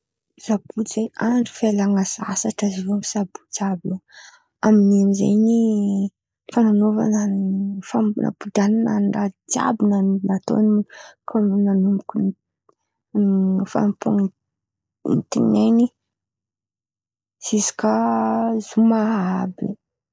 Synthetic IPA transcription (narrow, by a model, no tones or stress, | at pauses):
z̥abut͡sejaɳɖ͡ʐi̥felaŋasa̰saʈ͡ʂazivumisabu̥t͡sabe | aminiamizḛjni | fananova̰nafamna̰pud̪ananaɖ͡ʐat͡sa̰binanat̪o̰nikʰananumbukun | fa̰npuŋ | nit̪inejni | sizi̥kazumaabi